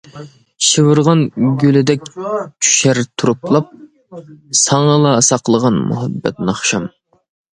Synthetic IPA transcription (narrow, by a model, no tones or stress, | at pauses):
ʃɨwɨɾʁɑnɡʲølɪd̪ɛkʲt͡ʃʰy̥ʃɛɾt̪ʰuɾuplˠɑp̚ | sɑŋɑlˠɑːsɑqlˠəʁɑnmṵɦɛbːɛ̰t̪̚nɑχʃɑm